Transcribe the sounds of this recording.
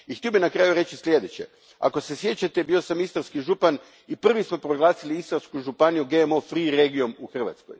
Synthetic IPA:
ixt̪io̞binakɾaːjuɾe̞t͡ɕislʲje̞d̪e̞t͡ɕe̞̰ | a̰ko̞se̞sje̞t͡ɕat̪ebio̞samist̪aɾskiʒupan | ipr̩ʋismo̞pɾo̞ɡlˠaːsiliist̪aɾskuʒupanijuɡeemo̞fɾiɾeɡio̞muxr̩ʋa̰t̪sko̞̰j

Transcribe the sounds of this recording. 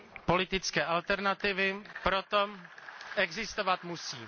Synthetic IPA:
po̞lɪt̪ɪt͡skɛːʔalt̪ɛɾnat̪ɪvɪpɾot̪oʔɛɡzɪst̪ovat̪musiː

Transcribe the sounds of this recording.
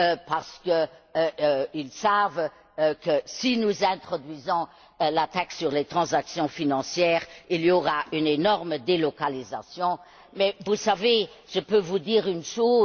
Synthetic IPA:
øpaʁsə̥kə | ilsav | kəsinuzɛ̃t̪χɔd̪ɥizɔ̃ | lat̪aksyʁlet̪χɑ̃zaksjɔ̃finɑ̃sjɛːʁilioʁaʔynenɔʁməd̪elɔkaliza̰sjɔ̃ | mɛvusaveʒ̥əpøvud̪iːʁynʃoː

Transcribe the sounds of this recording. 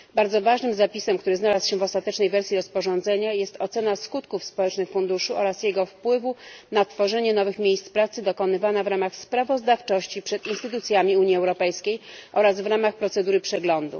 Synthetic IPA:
baɾd̪zɔvaʐnɘmzapʲisɛmkt̪uɾɘznalasɕɛvɔst̪at̪ɛt͡ʂnɛjvɛɾsʲjiɾɔspɔʐɔ̃nd̪zɛɲajɛst̪ɔt̪sɛnaskut̪kufspɔwɛt͡ʂnɘxfund̪uʂuʔɔɾasjɛɡɔfpwɘvunat̪fɔʐɛɲɛnɔvɘxmʲjejst̪spɾat̪sɘd̪ɔkɔnɘvanavɾamaxspɾavɔzd̪aft͡ʂɔɕt͡ɕipʂɛt̪inst̪ɘt̪ut̪sʲjamʲiuɲiɛwɾɔpɛjskʲejʔɔɾazvɾamaxpɾɔt̪sɛd̪uɾɘpʂɛɡlɔnd̪ṵ

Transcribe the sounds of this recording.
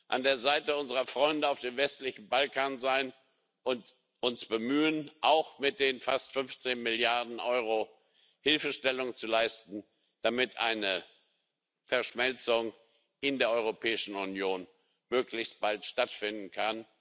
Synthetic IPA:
ʔa̰ndeːɐzaɪtəʊnzəʁɐfʁ̥ɔʏndəaʊfd̥eːmvɛstlɪçn̩balkʰaːnzaɪn | ʔʊnt | ʔʊnsb̥əmyːənʔaʊxmɪt̚d̥eːnfa̰stfʏnft͡seːnmɪljaɐdn̩ʔɔʏʁ̞o | hɪlfəʃtɛlʊŋənt͡sulaɪstn̩ | d̥amɪtʰʔa̰ɪnə | fɛɐʃmɛlt͡sʊŋ | ʔɪndeːɐʔɔʏʁopʰɛːɪʃn̩ʊnjoːn | møːklɪçst̚b̥altʃtatfɪndn̩kʰan

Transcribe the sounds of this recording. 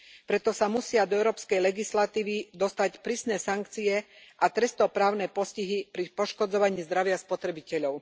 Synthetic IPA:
pɾɛt̪ɔsamusɪad̪ɔɛʊɾɔːpskɛjlɛɡislat̪iːʋid̪ɔst̪acpɾiːsnɛːsaŋkt͡siɛʔat̪ɾɛst̪ɔpɾaːʊnɛpɔsciɦipɾipɔʃkɔd͡zɔʋaɲiːzd̪ɾaʋɪaspɔt̪ɾɛbicɛʎɔʊ

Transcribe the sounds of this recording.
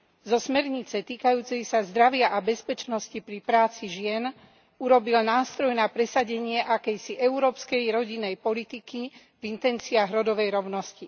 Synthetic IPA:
zɔsmɛɾɲit͡sɛt̪iːkajuːt͡sɛjsazd̪ɾaʋɪaʔabɛspɛt͡ʃnɔscipɾipɾaːt͡siʒɪɛn | uɾɔbilnaːst̪ɾɔjnapɾɛsaɟɛɲɪɛʔakɛjsiʔɛuɾɔːpskɛjɾɔɟinːɛjpɔlit̪iki | vint̪ɛnt͡siaɣɾɔd̪ɔʋɛjɾɔʊnɔsci

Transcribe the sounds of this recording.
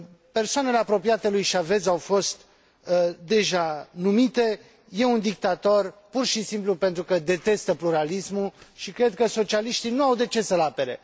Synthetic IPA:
pe̞rsoane̞le̞apɾo̞piat̪elujʃave̞zawfo̞st̪ | d̪e̞ʒanumit̪e̞ | je̞und̪ik̚t̪at̪o̞rpurʃisimplupe̞nt̪ɾukəd̪e̞t̪e̞st̪əpluɾalismuʃikɾe̞d̪̚kəso̞t͡ʃialiʃt̪inuawd̪e̞t͡ʃe̞səlape̞ɾe̞̰

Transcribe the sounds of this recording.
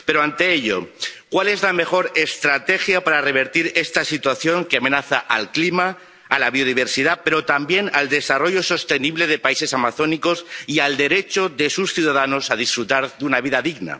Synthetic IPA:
pe̞ɾoant̪e̞eʎo̞̰kwale̞zlame̞xo̞ɾe̞st̪ɾat̪e̞xjapaɾare̞βe̞ɾt̪iɾe̞st̪asit̪waθjo̞ŋkeame̞naθaʔalklimaː | laβ̞io̞ð̞iβ̞e̞ɾsið̞ape̞ɾo̞t̪ambje̞nald̪e̞saro̞ʝo̞so̞st̪e̞niβle̞ð̞e̞paise̞samaθo̞niko̞siald̪e̞ɾe̞t͡ʃo̞ðe̞susθjuðaðano̞sað̞isfɾut̪aɾðunaβ̞iðaðiɣna̰

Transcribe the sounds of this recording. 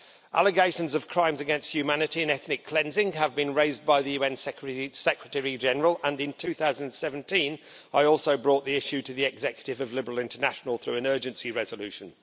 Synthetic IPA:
ʔa̰lˠəɡeɪʃə̃nzəv̥kʰɹ̥ãɪ̃mzɨɡɛ̃nst̚hjʉmanɨtiɨ̃nɛθnɪkʰl̥ɛ̃nzɪ̃ŋəvbɨ̃nɹeɪzbaɪðɨjʉɛ̃nsɹsɛkɹətɛɹid͡ʒɛnəɹəlˠə̃nɪ̃ntʰʉθaʊzə̃nd̃n̩sɛṽn̩tʰĩn | aɪɔˑlˠsoʊbɹɔˑʔ̪̚ðiɪʃʉtʰɨðiɛɡzɛkjətɪvəvlɪbəɹəl̩ˠɪ̃ntənaʃnəlˠθɹʉɨ̃nɜ˞d͡ʒɨ̃nsiɹɛzəlʉˑʃə̃n

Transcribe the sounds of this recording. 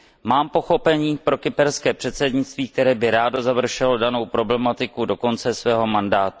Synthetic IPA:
maːmpo̞xo̞pɛɲiːpɾo̞kɪpɛɾskɛːpr̝̥ɛt̪sɛdɲɪtt͡st̪viːk̚t̪ɛɾɛːbɪɾaːdozavr̩ʃɛldano̞wpɾo̞blɛmat̪ɪkudo̞ko̞nt͡sɛsvɛːɦo̞mandaːt̪u

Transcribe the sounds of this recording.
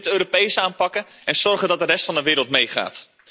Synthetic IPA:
tøːɾopejsəaːnpɑkəɛnz̥ɔɹχəndɑt̚dərɛstfɑndəʋɪːɾəlˠtmejχa̰ːt

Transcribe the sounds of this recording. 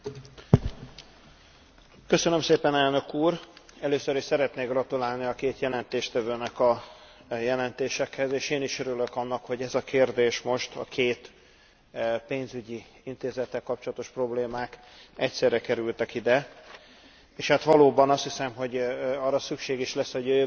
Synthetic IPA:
køsønø̞mseːpɛnɛlnø̞kuːrɛløːsøɾiʃsɛɾɛt̪neːɡrɒt̪ulaːlniɒkeːt̪jɛlɛnt̪eːʃt̪ɛvøːnɛkɒ | jɛlɛnt̪eːʃɛkhɛzeːʃeːniʃøɾylø̞kɒnːɒkho̞ɟɛzɒkeːrd̪eːʃmo̞ʃt̪ɒ̰kʰeːt̪ | peːnzyɟi | int̪eːzɛt̪ːɛlkɒp̚t͡ʃolɒt̪o̞ʃpro̞bleːmaːk | ɛcsɛrːɛkɛɾylt̪ɛkid̪ɛ | eːʃhat̪ʋɒloːbɒnɒst̪hisɛmɦo̞ɟɒrːɒsykʃeːɡiʃlɛsːhoɟø

